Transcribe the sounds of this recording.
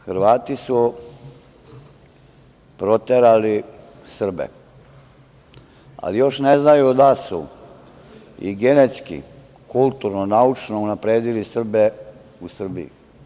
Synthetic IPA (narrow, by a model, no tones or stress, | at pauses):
xɾʋaːt̪isu | pɾo̞t̪eɾali | sr̩bḛ | a̰lijo̞ʃneznajud̪asṵ | ḭɡenet̪skḭ | kulˠt̪uɾnonaut͡ʃnounapɾeːd̪ilisr̩be | usr̩bḭḭ